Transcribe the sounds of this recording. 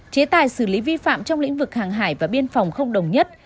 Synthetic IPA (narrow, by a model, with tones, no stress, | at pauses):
t͡ɕe˨˦t̪aː˨˩jsɨ˧˩li˨˦vi˧fa̰ː˧˨mt͡ɕɔ˧wŋ͡mlḭ̈˧˥ŋ̟vɨ˨˩k̚haː˨˩ŋɦa̰ː˧˩jvaː˨˩ɓi˧ənfɔ˨˩wŋ͡mxə˧wŋ͡mɗə˨˩wŋ͡mɲə˦˥t̚